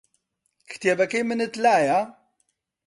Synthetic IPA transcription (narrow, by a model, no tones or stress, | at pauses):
kʰɨ̥t̪jebɛkeːmɨnɨt̪laːja